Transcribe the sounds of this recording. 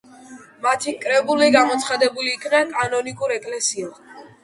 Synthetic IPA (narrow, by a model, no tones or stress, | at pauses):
mat̪ʰikʼɾɛbuliɡamɔt̪sʰχad̪ɛbuliːkʰnɛkʼanɔnikʼuɾɛkʼlɛsia